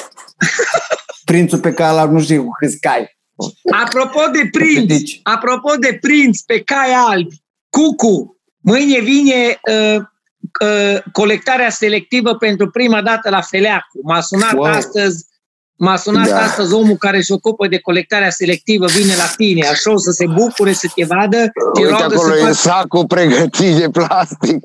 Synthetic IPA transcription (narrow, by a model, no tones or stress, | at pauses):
pɾint̪supekajlabʲnuʃt̪iekukɨt̪skaj | apɾo̞po̞d̪e̞pɾint̪apɾo̞po̞d̪e̞pɾint̪spe̞kajalbʲ | kuku | mɨjnʲe̞vine̞ə | əko̞le̞k̚t̪aɾease̞le̞k̚t̪ivəpe̞nt̪ɾupɾimad̪at̪əlafe̞leakumasunatast̪əzʲ | masunat̪ast̪əzʲo̞mukaɾeso̞kupəd̪e̞ko̞le̞k̚t̪aɾease̞le̞k̚t̪ivəvine̞lat̪ineaʃowsəse̞bukuɾe̞sət̪je̞vad̪ət̪ieloaaɡəolojsakupɾeɡət̪ʰid̪eplast̪ik̚